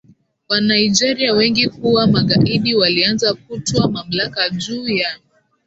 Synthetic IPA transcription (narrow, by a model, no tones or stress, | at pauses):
wanaid͡ʒɛɾiawɛŋɡikuwamaɠaʔiɗiwalianzakutɔamam̩lakad͡ʒuːja